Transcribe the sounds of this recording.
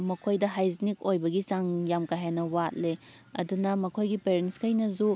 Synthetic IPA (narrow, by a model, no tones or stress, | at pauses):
mɐkʰojdɐɦajznik̚ojbɐɡisaŋjamkajɦanɐwat̚le | ɐ̰dunɐmɐkʰojɡipeɾenskɐjnɐzu